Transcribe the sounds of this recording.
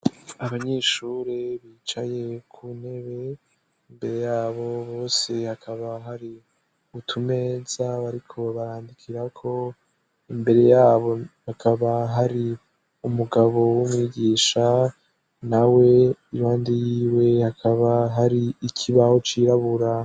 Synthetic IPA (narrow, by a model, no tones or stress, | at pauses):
aβaɲe̞ːʃuɾeβiːt͡ʃaje̞kʰune̞βe̞ | imbe̞ɾe̞jaːβo̞βo̞ːse̞hakʰaβaɦaɾi | utʰume̞ːzaβaɾikʰo̞βaɾaːndikʰiɾakʰo̞ | imbe̞ɾe̞jaːβo̞hakʰaβaɦaɾi | umuɡaβo̞wumŋiːɟiːʃa | nawe̞iɾoːndijiːwe̞hakʰaβaɦaɾiikʰiβaho̞t͡ʃiɾaβuɾa